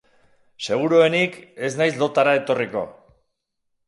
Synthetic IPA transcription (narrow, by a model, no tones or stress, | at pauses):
se̞ɣ̞uɾoe̞nike̞znajzlo̞t̪aɾae̞t̪o̞riko̞̰